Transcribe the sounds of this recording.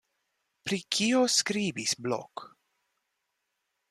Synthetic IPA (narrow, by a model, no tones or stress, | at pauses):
pɾikʰioskɾiːbisblo̰k